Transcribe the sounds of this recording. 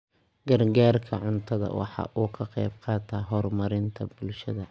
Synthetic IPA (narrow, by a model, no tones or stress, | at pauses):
ɡɐrɡaːrkʰɐʕʊnt̪ʰɐðɐ̰wɑ̰ħɑ̰ːʔuːkʰɐqɛjbqɑːt̪ʰɐɦɔrmɐɾɪnt̪ʰɐbʊlʃɐðɐ